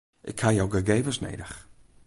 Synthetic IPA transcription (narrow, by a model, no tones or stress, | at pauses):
ʔɪkhajawɡəɡeːvəsnḛjdəx